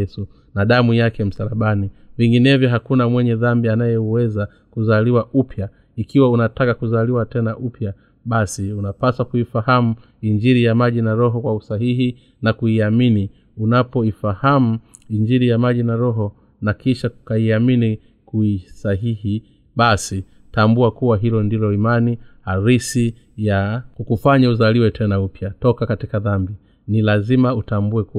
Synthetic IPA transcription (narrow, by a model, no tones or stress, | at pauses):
ɛsu | naɗamujakɛm̩saɾaɓaniviŋɡinɛvjɔɦakunamwɛɲɛðambianajɛwɛza | kuzaliwaʔupʰja | ikiwaunatakakuzaliwatɛnaʔupja | ɓasiunapaswakuifahamu | iɲd͡ʒiɾijamaʄinaɾɔɦɔkwausaɦihi | nakuiamini | unapɔifahamu | iɲd͡ʒiɾijamaʄinaɾɔɦɔ | nakiʃaukaiamini | kuisaɦihi | ɓasi | tambuakuwaɦilɔndilɔimanihaɾisi | jakukufaɲauzaliwɛtʰɛnaupjatɔkakatikaðambi | nilazimautambuɛku